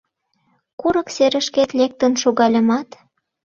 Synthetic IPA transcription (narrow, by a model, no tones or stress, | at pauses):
kuɾɤ̆kseɾə̆ʃket̪lek̚t̪ənʃoɣɑlʲə̆mɑt̪